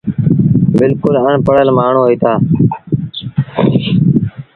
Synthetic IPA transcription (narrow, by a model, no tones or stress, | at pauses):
bɪlkʊləɳpəɽəlmaːɳõːɦiːt̪aː